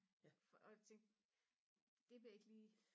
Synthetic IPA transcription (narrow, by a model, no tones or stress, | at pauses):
ɒt͡sʰeŋɡ̥ | d̥e̝ʋeɐe̝ɡ̥liː